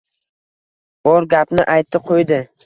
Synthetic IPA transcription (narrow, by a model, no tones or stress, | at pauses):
b̥ɒɾɡʲapnɪʔajt̪ʰːɪqʰojd̪ɪ